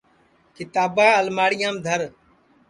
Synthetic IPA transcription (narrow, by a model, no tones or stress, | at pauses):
kɪt̪aːbãːəlmaːɽɪjãːmd̪ʱəɾ